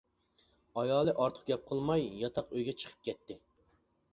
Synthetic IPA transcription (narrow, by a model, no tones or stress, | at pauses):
ɑjɑːlˠɨʔɑɾt̪ʰə̥q̚ɡʲɛp̚qʰəlˠmɑjjɑt̪ʰɑqøjɡʲɛt͡ʃʰə̥qʰə̥p̚kʲʰɛt̪ʰːɪ